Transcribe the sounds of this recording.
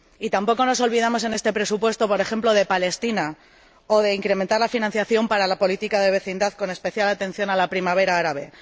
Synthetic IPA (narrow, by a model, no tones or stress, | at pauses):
it̪ampo̞ko̞no̞so̞lβiðamo̞s̬e̞ne̞st̪e̞pɾe̞supwe̞st̪o̞po̞ɾexe̞mplo̞ð̞e̞pale̞st̪ina | o̞ðe̞iŋkɾe̞me̞nt̪aɾlafinãn̟θjaθjo̞mpaɾalapo̞lit̪ikaðe̞βe̞θind̪aθko̞ne̞spe̞θjalat̪e̞n̟θjo̞nalapɾimaβ̞e̞ɾaaɾaβe̞